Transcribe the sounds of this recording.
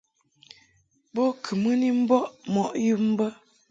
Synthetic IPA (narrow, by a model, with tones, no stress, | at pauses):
bo˦kʰɨ˨mɨ˦ni˦m̩˦bɔ˦ʔmɔ˨ʔjɨ˦m̩˦bə˦